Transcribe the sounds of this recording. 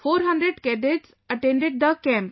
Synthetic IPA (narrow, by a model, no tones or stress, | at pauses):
foːɾɦɐ̃ɳɖɾeɖkɛɖeʈs | əʈẽɳɖeɖ̚d̪əkɛ̃mp